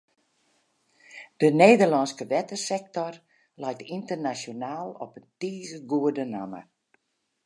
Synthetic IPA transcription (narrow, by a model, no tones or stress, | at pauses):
d̥əneːdərlɔnskəʋɛtəsɛk̚tɔr | lɛjtintərnasonaːlˠɔpəntiːzəɡuədəna̰mə̰